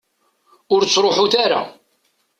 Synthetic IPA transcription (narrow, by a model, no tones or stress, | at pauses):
ʊɾt͡sːɾˤoħuθaɾa̰